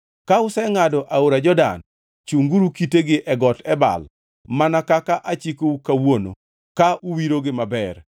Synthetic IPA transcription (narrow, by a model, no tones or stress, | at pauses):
kaʊsɛŋadɔʔaoɾad͡ʒɔda̰n | t͡ʃuŋɡuɾukiteɡɪʔɛɡɔtɛba̰l | manakakaʔat͡ʃikoukawono̰ | kaʔuwiɾoɡɪmabɛr